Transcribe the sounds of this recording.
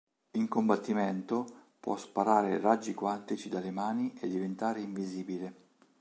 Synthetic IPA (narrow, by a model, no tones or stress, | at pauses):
iŋkombat̪ːiment̪opwɔ̰spaɾaːɾerad͡ʒːikwant̪it͡ʃid̪alemaːniʔed̪ːivent̪aːɾeiɱviziːbile